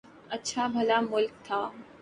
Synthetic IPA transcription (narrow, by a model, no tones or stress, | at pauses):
ɐtːʃʰabʱɐlamʊlk̚t̪ʰaː